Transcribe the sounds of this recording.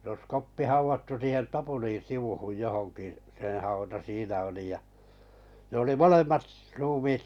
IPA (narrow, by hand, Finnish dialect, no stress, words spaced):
s os kopːi hɑuʋɑtːu siːhen tɑpulĩː siʋuhuj johoŋkiˑ sẽː hɑutɑ siːnæ oli jɑ ne oli molemːɑt s ruːmiːt